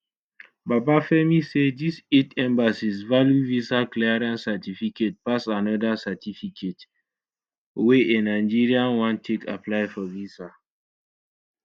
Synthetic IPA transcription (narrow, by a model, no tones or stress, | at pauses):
babafɛmisedisetɛ̃mbasisvaljuvisalklɛɹãnsatifiket̚pasanɔdasatʰifikʰet | weʔenaɪd͡ʒiɹiãnwãntʰeka̰plaɪfɔvisa